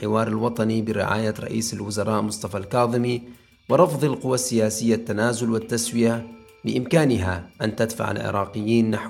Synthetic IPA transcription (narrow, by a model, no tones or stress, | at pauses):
ħɪwɑːɾˤɪlwɑt̪ˤɑnibɪɾɪ̰ʕa̰ːjaɾˤɑ̰ʔḭːsalwʊzɑɾˤɑːʔmʊsˤt̪ˤɑfalkɑːðˤɨmi | wɪɾˤɑfðˤɪlqʊwːasːɪjaːsɪjːat̪ːanaːzʊlwɪt̪ːaswɪja | bɪʔɪmkaːnɪɦaʔant̪ad̪fa̰ʕa̰lʕɪ̰ɾˤɑːqɪjːiːnːaħ